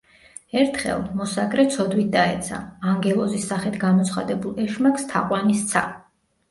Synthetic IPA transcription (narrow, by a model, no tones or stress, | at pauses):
ɛɾt̪ʰχɛ̰lˠmɔsaɡɾɛt̪sʰɔd̪wit̪̚ʰd̪aɛ̰t̪sʰa̰aŋɡɛlˠɔzisːaχɛt̪ɡamɔt̪sʰχa̰d̪ɛbulˠɛʃmakst̪ʰa̰qʼwanist̪sʰa